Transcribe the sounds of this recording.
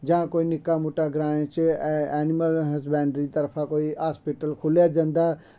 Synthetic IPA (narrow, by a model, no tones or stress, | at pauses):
d͡ʒããkoːinɪkːamoʈaɡɾaːẽt͡ʃɛːniməlɦəs̬bɛːɳɖɾit̪ɐɾpʰãkoːiɦaːspiʈəlkʰʊlad͡ʒə̃nd̪a